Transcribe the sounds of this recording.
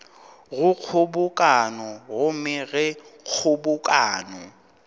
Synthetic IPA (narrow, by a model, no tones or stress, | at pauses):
ɣʊk͡xʰʊbʊkʼanɔɣʊmɪɣɛk͡xʰʊbʊkʼaːnɔ